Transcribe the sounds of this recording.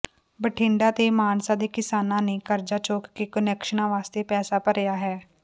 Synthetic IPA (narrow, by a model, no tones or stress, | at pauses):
bəʈʰɪ̃ːɳɖãːt̪eːmaːnsãːd̪eːkɪsaːnãːneːkəɾd͡ʒaːt͡ʃoːkːeːkənɛːkʃənãːʋaːst̪eːpɛːsaːpəɾejaːɦɛː